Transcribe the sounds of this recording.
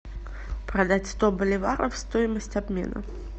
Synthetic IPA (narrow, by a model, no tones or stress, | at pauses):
pɾɐd̪atʲst̪obəlʲɪvaɾəfst̪ojɪməsʲtʲɐbmʲe̞̰nə̰